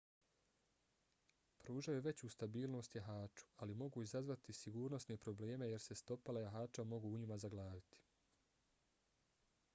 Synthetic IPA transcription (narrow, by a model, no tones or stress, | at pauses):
pɾuːʒajuʋe̞t͡ɕuːst̪abiːlˠno̞ːst̪jaɦaːt͡ʃu̥alimo̞ɡuizazʋat̪isiɡuːɾno̞sne̞pɾo̞ble̞ːme̞je̞ɾse̞st̪o̞palajaɦaːt͡ʃamo̞ɡuuɲimazaɡlˠaːdit̪i̥